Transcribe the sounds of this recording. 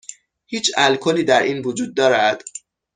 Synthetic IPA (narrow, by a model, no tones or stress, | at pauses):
hiːt͡ʃʰælkʰoliːd̪æɾiːnvod͡ʒuːd̪̚ːɒːɾæd̪̥